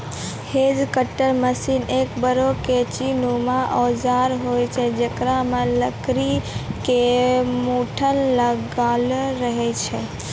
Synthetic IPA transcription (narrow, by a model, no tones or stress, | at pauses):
hed͡ʒkəʈːəɾməsinekbəɾoket͡ʃinumaʔɔd͡ʒaɾɦojt͡ʃʰɛd͡ʒəkɾameləkɾikemuʈʰənləɡalɾəɦɛt͡ʃʰɛ